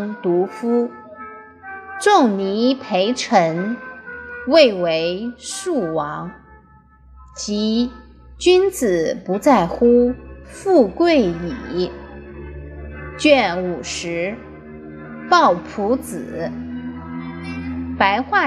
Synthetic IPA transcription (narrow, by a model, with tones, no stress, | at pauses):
ŋt̪u˧˥fu˥ | ʈ͡ʂʊ˥˩ŋni˧˥pʰe˧˥ɪʈ͡ʂʰə˧˥ŋ | we˥˩ɪwe˧˥ɪʂu˥˩wɑ˧˥ŋ | t͡ɕi˧˥ | t͡ɕy˥nt͡sɹ̩˨˩˦pu˧˥t͡sa˥˩ɪxu˥fu˥˧kwe˥˩ɪy˨˩ | t͡ɕɥɛ˥˩nu˨˩ʂɻ̩˧˥ | pɑ˥˩ʊpʰu˧˥t͡sɹ̩˨˩˦ | pa˧˥ɪxwa˥˩